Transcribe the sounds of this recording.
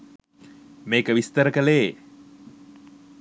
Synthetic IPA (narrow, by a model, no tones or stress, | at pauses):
meːkəʋist̪əɾəkəleː